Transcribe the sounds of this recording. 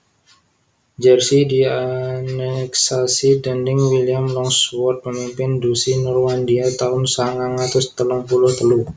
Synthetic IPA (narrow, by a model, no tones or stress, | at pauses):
d͡ʒɛrsidianɛksasidɛndɪŋwiliamlɔŋswɔrt̪̚pəmimpɪndusinɔrmandiat̪aʊnsaŋaŋat̪ʊst̪əlɔŋpulɔt̪əlu